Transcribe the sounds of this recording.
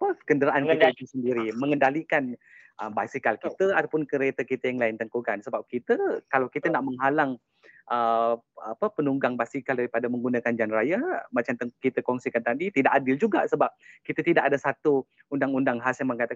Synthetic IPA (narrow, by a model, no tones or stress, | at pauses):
apəkəndəɾaʔankit̪ait̪usəndiɾiməŋəndalikan | əbasikalkit̪əat̪awpʊnkəɾet̪əkit̪əjaŋlaɪnt̪əŋkukansəbap̚kit̪əkalawkit̪ənaʔməŋɦalaŋ | ʔəapəpənuŋɡaŋbasikaldaɾipadaməŋɡunakand͡ʒanɾajamat͡ʃamt̪əkit̪əkɔŋsikant̪adit̪idaʔadɪld͡ʒuɡa̰səbap̚kit̪ət̪idaʔadasat̪u | undaŋundaŋɦasjaŋməŋkat̪a